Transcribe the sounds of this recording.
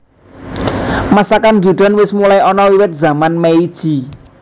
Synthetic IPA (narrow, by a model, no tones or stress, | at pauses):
masakand͡ʒud̪̥a̤nwɪsmulajɔnɔwiwɪt̪̚z̥a̤manmeid̥ʒ̥i̤